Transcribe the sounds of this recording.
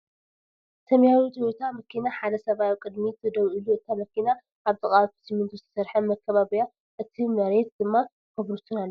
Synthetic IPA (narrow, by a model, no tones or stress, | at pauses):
t̪ʰɐmjaɾut͡ʃ̪ʼiwot̪ʰamɐkʰinaħad̪ɐsɐβawikʼɨd̪mit̪ʰɨd̪ɐβʔɨluɨt̪ʰːamɐkʰina | ʔaβt̪ʼɨkʼat̪ʰsimɨnt̪ʰust̪ʰɐ̥sɐɾħɐmɐkːɐβaβija | ʔɨt̪ʰimɐɾet̪̚d̪ɨmːa | kɐβɾut̪ʰɨnalː